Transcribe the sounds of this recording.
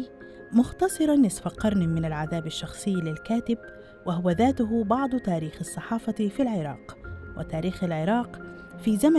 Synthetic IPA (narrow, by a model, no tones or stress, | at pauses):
mʊxt̪ɑsˤɨɾˤɑnːɪsfaqɑɾˤnmɪnalʕaðaːbaʃːɑxsˤɨjːlɪlkaːt̪ɪb | waɦʊwaðaːt̪ʊɦʊbɑʕd̪ˤt̪aːɾiːxɑsˤːɑħɑːfɑfilʕɪɾˤɑ̰ːqwɪ̰t̪aːɾiːxalʕɪɾˤɑːq | fiːzama